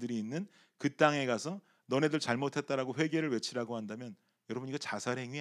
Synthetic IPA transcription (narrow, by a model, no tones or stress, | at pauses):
dɯɾiːnːɯn | kɯt͈aŋe̞ɡasʰʌ | nʌne̞dɯɭt͡ɕaɭmotʰe̞t̚t͈aɾaɡoɸwe̞ɡe̞ɾɯɭwe̞t͡ɕʰiɾaɡohandamjʌn | jʌɾʌbɯniɡʌt͡ɕasʰaɾɦe̞ŋɥi